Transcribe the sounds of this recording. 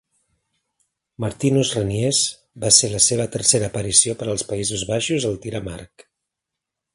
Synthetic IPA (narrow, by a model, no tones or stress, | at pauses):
məɾt̪inuzrənjez | baseləseβ̞ət̪əɾseɾəːpəɾisiopəɾəlˠspəizuzβaʃuzəlˠt̪iɾəma̰rk